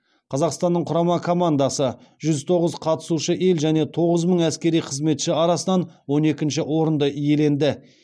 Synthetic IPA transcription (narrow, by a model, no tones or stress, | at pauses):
qʰɑzɑqst̪ɑnːəɴqʰʊɾɑmɑkʰo̞mand̪asəʒ̥ʏzt̪ʰo̞ʁəzqʰɑt̪ə̥suʃəʔe̞lʒæne̞t̪ʰo̞ʁəzməɴæskʲe̞ɾijqʰəzme̞t̪ʃɪɑɾɑsənɑnwo̞ne̞kʲɪnʃɪwo̞ɾənd̪əije̞le̞nd̪ɪ